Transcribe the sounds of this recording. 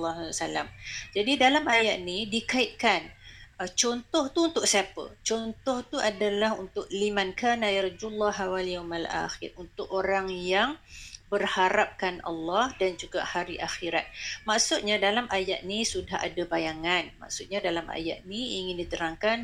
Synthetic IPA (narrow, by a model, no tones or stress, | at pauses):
lːsalamd͡ʒadidalamajaʔnidikaɪʔ̪̚kant͡ʃɔnt̪ɔht̪uunt̪ʊk̚siapə̰t͡ʃɔnt̪ɔht̪uʔadalaɦunt̪ʊʔ̚limankanaiɾd͡ʒulːaɦawaljawmalʔa̰xɪ̰runt̪ʊkoɾaŋjaŋbərhaɾap̚kanɑ̰lːɑhdand͡ʒuɡa̰haɾiʔaxiɾat̪̚maksʊt̪̚ɲadalamʔajaʔ̪̚nisudaha̰dabajaŋanma̰ksʊt̪̚ɲadalamʔa̰ja̰ʔ̪̚niiŋɪndit̪əɾaŋkan